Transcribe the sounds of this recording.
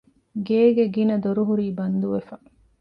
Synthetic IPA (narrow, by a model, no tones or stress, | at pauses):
ɡeːɡeɡinɐd̪oɾuɦuɾiːbɐnd̪uʋefɐ